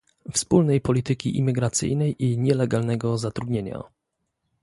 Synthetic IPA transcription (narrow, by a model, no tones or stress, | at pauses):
fspulnɛjpɔlʲit̪ɘkʲḭʔḭmʲiɡɾat̪sɘ̰jnɛjiɲɛlɛɡalnɛɡɔzat̪ɾud̪ɲeɲa̰